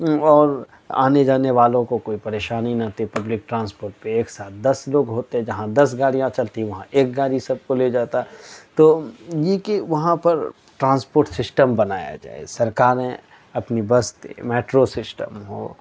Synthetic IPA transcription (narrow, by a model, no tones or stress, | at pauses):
ɔːɾ | a̰ːned͡ʒaːneʋaːlõkokoːipɐɾeːʃaːninɐt̪ʰipɐblɪk̚ʈɾãːnspoːɾʈ̚peeːksaːt̪̚ʰd̪ɐsloːɡɦoːt̪eɦɛ̃d͡ʒɐɦãd̪ɐs̬ɡaːɽijãt͡ʃɐlt̪ʰĩʋɐɦãʔeːk̚ɡaːɽisɐb̚koled͡ʒaːt̪aɦɛt̪oːjekeʋɐɦãpɐɾ | ʈɾãːnspoːɾʈsɪsʈəmbɐnaːja̰d͡ʒa̰ːḛsɐɾkaːɾẽ | ɐpnibɐst̪ḛmɛːʈɾosɪsʈəmɦo̰ː